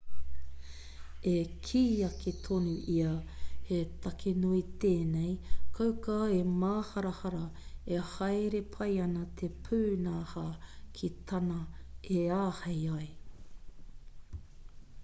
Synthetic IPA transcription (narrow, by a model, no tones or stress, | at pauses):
ekʰiːɐket̪ʰonuʔiɐhet̪ɐkʰenuit̪eːnejkʰɐwkaːemaːhɐɾɐhɐɾɐehɐjɾe̞pʰɐjɐnɐt̪ʰepʰʉːnaːhaːkʰit̪ʰɐnɐeaːhɐjɐj